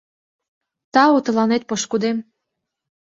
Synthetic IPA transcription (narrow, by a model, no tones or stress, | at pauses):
t̪ɑut̪ɤ̆lɑnet̪̚poʃkud̪em